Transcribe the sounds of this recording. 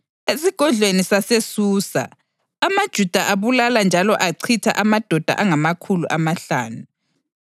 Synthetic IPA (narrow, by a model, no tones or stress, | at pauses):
esiɡ̥ʱɔɮʱwenisasesuːsa̰ | amad̥ʒ̥ʱud̥ʱaʔaβulaland͡ʒʱalɔʔaǀʰitʰa̰ʔamad̥ʱɔd̥ʱa̰ʔaŋamakʰuluʔamaɬa̰ːnu